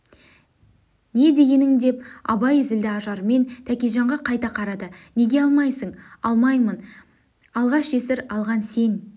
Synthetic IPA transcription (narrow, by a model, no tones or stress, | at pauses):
ne̞d̪e̞ɡʲe̞nɪŋd̪e̞pɑ̰bɑjezɪld̪ɪɑʒɑɾme̞nt̪ʰækʲeʒɑɴʁɑqʰɑjt̪ɑqʰɑɾɑd̪əne̞ɡʲeɑlˠmɑjsəɴɑlˠmɑjmən | ɑlˠʁɑʃe̞sɪɾɑlˠʁɑnse̞ŋ